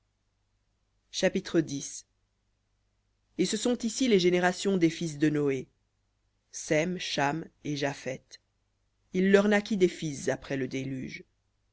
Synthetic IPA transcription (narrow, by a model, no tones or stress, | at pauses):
ʃapit̪χəd̪is | esəsɔ̃t̪isileʒeneʁasjɔ̃d̪efis̬d̪ənɔe | sɛmʃameʒafɛt̪ | ilːœʁnakʲid̪efiszapχɛləd̪elyːʒ